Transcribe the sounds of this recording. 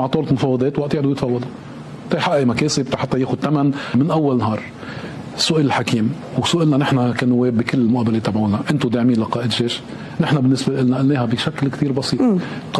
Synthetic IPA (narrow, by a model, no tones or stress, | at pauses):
aʕt̪ˤoːllmʊfɑːwːɑd̪ˤeːt̪waʔt̪ɪʕd̪ʊjɪt̪fɑːwːɑd̪ʊ | t̪ˤɑjħaʔʔmakeːsɪb̚t̪aħat̪ːajeːxʊd̪̚t̪amanmɪnʔawːalnɦɑːɾˤ | sʊʔɪlɪlħakiːm | wsʊʔɪlnanɪħnakanʊwːeːbːikɪlːɪlmʊʔaːbːaleːt̪ːabʕuːnaʔɪnt̪ʊd̪aʕmiːnlaqɑːʔɪd̪ʒeːʃ | nɪħnabɪnːɪsbalʔɪlnaʔalneːhabiʃaklkt̪iːɾbɑsiːt̪ˤ